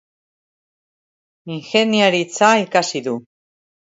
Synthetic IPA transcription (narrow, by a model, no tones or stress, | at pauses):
iŋxe̞niaɾit͡saikasiðu